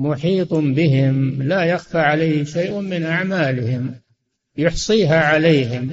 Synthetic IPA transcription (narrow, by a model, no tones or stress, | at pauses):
mʊħiːt̪ˤmbɪɦɪmlajaxfaʕalajhɪʃajʔmɪnʔaʕmaːlɪhɪm | jʊħsˤiːɦaʕalejɦɪm